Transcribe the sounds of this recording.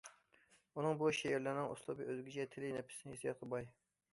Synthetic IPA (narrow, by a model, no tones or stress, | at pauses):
unɨŋbuʃɛjiɾlɪɾnɪŋʔṵslˠɨbɨʔøzɡʲit͡ʃʰɛt̪ʰɪlɪnɛpʰɪ̥sɪnɪjesijɑt̪ʰɨbɑj